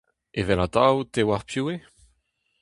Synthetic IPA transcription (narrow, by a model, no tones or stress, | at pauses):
evɛlat̪awt̪ewaʁpʰjuːe